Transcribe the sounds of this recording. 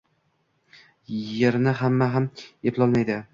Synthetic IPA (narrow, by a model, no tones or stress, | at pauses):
jeɾnɪɦamːaɦamepʰlˠɒlˠmajd̪ɪ